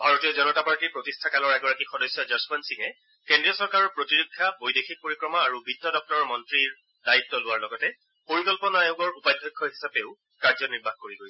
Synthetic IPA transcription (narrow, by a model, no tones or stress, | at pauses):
bʱaɹotijɔzɔnɔtapaɹtiɹpɹotistʰakalɔɹɛɡɔɹakixɔdɔjsjɔd͡ʒɔsbansikɛ | kendɹijɔsɔɹkaɹɔɹpɹotiɹukʰːabojdexik̚poɹikɹɔmaaɹubʱitːɔdɔk̚tɔɹɔmɔntɹiɹ | daitːɔlʊwaɹlɔɡɔtɛ | poɹikɔlpɔnɔajoɡɔɹupajd̪ʱːɔkʰːɔɦisapeʊ | kaɹzɔniɹbʱaxkoɹiɡoj